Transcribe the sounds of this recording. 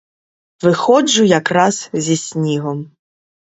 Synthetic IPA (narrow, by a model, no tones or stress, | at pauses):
ʋɪxɔd͡ʒʊjakɾɑzzʲisʲnʲiɦɔm